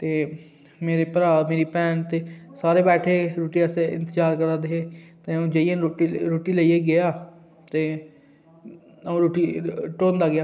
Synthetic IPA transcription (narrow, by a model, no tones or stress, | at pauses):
t̪eː | meːɾepəɾaːmeːɾiːpɛːnt̪eːsaːɾeːbɛːʈʰeːɾoːʈiːəseɪ̰̃nt̪əd͡ʒaːɾkəɾaːd̪eɦeːt̪eːũːd͡ʒəieoiɾoːʈiːləiːeɡɪjaː | t̪eː | ũːɾoːʈiːʈõːnd̪aːɡɪaː